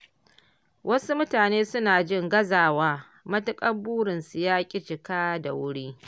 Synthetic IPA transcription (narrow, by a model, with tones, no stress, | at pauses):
wʔɐ˦su˦mʊ˦taː˨neː˦sʊ˦naː˨d͡ʒɪ˦˨ŋɡɐ˦zaː˨waː˦ | mɐ˦tʊ˦kʼɐ˦buː˦ɽɪ˨nsu˨jaː˦kʲʼɪ˦t͡ʃɪ˨kaː˦da̰˨wʊ˦ɽiː˦